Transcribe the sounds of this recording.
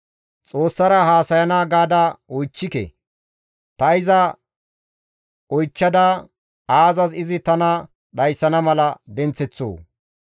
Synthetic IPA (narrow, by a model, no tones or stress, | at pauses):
t͡sʼo̞ːsːɐɾɐhaːsɐjɐnaːɡaːd̪aɔjt͡ʃːɪkɛ̰ | t̪ɐɪzɐ | ɔjt͡ʃːɐd̪ɐ | aːzɐzɪzɪt̪ɐnɐ | ɗɐjsːɐnɐmɐlɐd̪ɛnt͡sːɛt͡sːo̰ː